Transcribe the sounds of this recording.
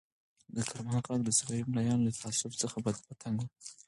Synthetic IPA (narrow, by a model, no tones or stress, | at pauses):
d̪əkʰaɾmahɑqɑkd̪əsawɑjimɽajɑnlat̪ʰaasʊft͡səxabad̪pat̪ʰaŋɡwu